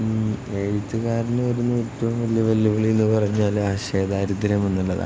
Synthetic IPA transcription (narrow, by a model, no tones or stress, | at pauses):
eːɻit̪ːuɣaːɾinɨʋɐɾunːuotːɐʋumʋɐljɐʋɐljɐʋɐɭienːɨpɐrɐɲːaːlaːɕeːd̪aɐɾud̪iɾɐmenːuɭːɐða̰